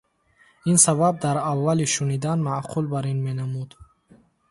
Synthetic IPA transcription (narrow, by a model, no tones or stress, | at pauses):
insabab̚d̪aɾavːaliʃunid̪anmaqʰulbaɾinmenamud̪